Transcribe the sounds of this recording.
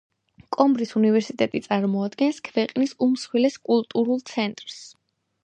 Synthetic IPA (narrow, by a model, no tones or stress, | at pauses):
kʼɔmbɾisunivɛɾsit̪ʼɛt̪ʼit̪sʼaɾmɔad̪ɡɛnskʰvɛqʼnisumsχwilɛskʼulˠt̪ʼuɾulˠt̪sʰɛnt̪ʼɾs